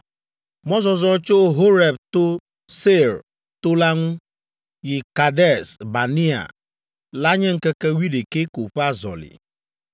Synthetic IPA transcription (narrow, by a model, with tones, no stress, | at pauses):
mɔ˦zɔ˨zɔ˦t͡ʃo˦ɦo˦ɾɛ˨b̚t̪o˦ | se˦˨ɾ | t̪o˦la˦ŋũ˦ | ji˨ka˨dɛ˦˨sba˨ni˦a̰˨ | la˦ɲẽ˦ŋ̩˦kɛ˦kɛ˦wi˦de˨ke˦ko˨ɸa˦zɔ̰˨lḭ˨